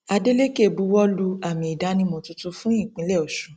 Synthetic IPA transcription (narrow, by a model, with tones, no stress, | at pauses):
a˧de˦le˦ke˦˨bu˧˦wɔ˦lu˧a˨mĩ˨i˨da˨˦nĩ˧mɔ̃˧tu˧tu˧fũ˦ĩ˦˨k͡pĩ˨˦lɛ˦˨o˨ʃu˨˦